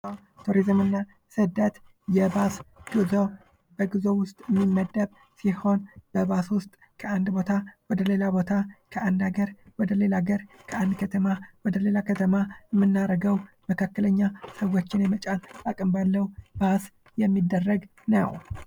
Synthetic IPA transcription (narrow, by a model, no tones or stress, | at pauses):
t̪ʰuɾizɨmɨnːa | sɨd̪ət̪ | jɛbasɡɨzo̞ | bəɡɨzo̞wʊst̪ʼmːimːəd̪ːəb | siho̞nb̥əbaswʊst̪ʼ | kʰəand̪bo̞t̪ʰawɔd̪əle̞labo̞t̪ʰakʰəʔand̪aɡəɾwɔd̪əle̞laɡəɾkʰəand̪kʰət̪ʰəmawɔd̪əle̞lakʰət̪ʰəmaɛmːɨnːaɾəɡəw | məkʰakːələɲːasəwo̞t͡ʃːɪnjɛmət͡ʃʼalbakʼɨmbalːəwb̥as | jɛmːid̪ːərːəɡ | nəw